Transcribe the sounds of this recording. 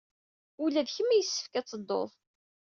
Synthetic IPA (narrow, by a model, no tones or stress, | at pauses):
ʊlæðçəmːæjəsːə̥fkæt͡sːəd̪ˤːo̰ðˤ